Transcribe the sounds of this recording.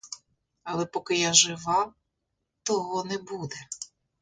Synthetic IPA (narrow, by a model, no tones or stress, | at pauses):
ɐlˠɛpɔkɪjaʒɪʋɑ | t̪ɔɦɔnɛbud̪ɛ